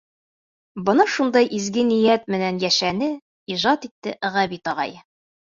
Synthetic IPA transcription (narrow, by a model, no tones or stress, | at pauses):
bɤ̆nɑʃund̪ɑjʔizɡɘnĭjæt̪̚mɘ̆nænjæʃænɘ | iʒɑt̪it̪ːɘʔɘ̆ʁɑbit̪ɒʁɑ̰j